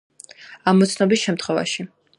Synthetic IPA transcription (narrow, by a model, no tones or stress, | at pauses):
amɔt̪sʰnɔbisʃɛmt̪ʰχwɛva̰ʃi